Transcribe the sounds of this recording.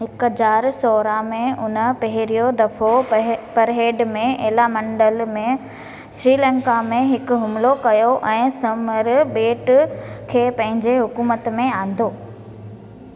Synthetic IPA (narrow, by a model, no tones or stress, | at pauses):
ɦɪkɦəzaːɾsɔːɾamẽʊnə̆pɐɦɪɾijod̪ɐfopɐɾɦeːɖmẽʔeːlamɐ̃ɳɖəlmẽ | sɾiːlɛ̃ːŋkamẽɦɪkʊɦʊmlokɐjoʔɛ̃ːsɐməɾbeːʈkʰeːpɐ̃ɦɪ̃ɲd͡ʑeɦʊkuːmət̪mẽãːn̆d̪ʱoː